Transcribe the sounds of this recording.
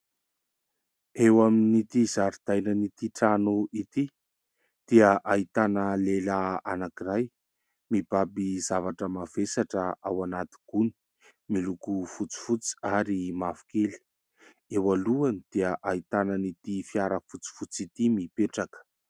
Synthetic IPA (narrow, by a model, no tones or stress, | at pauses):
ewaminit̪izaɾd̪̥ajnənit̪iʈ͡ʂanuʔit̪i | d̪̥iəʔait̪anəlelaanakiraj | mibabizavaʈ͡ʂəmavesaʈ͡ʂəawanat̪i̥ɡ̥uni̥ | milukufut͡si̥fut͡si̥aɾimafu̥keli̥ | ewaluanid̪̥iəʔait̪anənit̪ifiaɾəfut͡si̥fut͡sit̪imipeʈ͡ʂakə̥